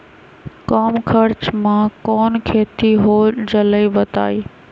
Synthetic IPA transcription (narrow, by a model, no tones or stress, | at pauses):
kaːmkʰɐɾt͡ɕmãkɔːnkʰeːt̪iɦoːd͡ʑɐləibɐt̪a̰ːiː